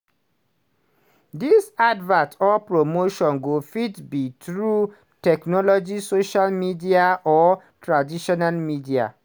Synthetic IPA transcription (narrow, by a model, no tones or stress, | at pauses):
disadvãtɔpɹomoʃɔ̃nɡofitbitɹu | tɛknɔlɔd͡ʒisoʃalmidiaʔɔ | tʰɹadiʃɔnalmidia̰